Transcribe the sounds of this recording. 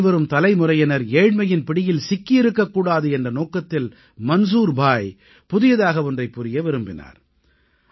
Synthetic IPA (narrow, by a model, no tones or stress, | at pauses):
ʋɐɾɯmt̪ɐlɐɪmʊrɐjɐnɐɾeːɻmɐjɪnpɪɽɪjɪlsɪkːɪɪɾɯkːɐkːuːɽaːðɯɛndrɐnoːkɐt̪ːɪl | mɐns̬uːɾbʱaːj | pʊðɪjɐðaːɣɐɔndrɐɪpːʊɾɪjɐʋɪɾɯmbɪna̰ːɾ